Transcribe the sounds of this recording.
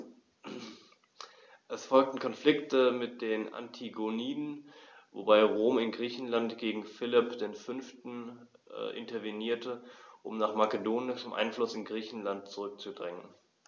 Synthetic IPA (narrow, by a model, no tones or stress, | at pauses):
ʔɛsfɔlk̚tn̩kʰɔnflɪktəmɪt̚d̥eːna̰ntʰiɡoniːdn̩vo̰baɪʁoːmɪnɡʁiːçn̩lantɡ̥eːɡŋ̩fɪlɪpd̥eːnfʏnftn̩̰ | ʔɪ̰ntɐveniːɐtəʔʊmnaːχmakədoːnɪʃmʔa̰ɪnflʊsɪnɡʁiːçn̩lant̚t͡suʁʏk̚t͡sudʁɪŋən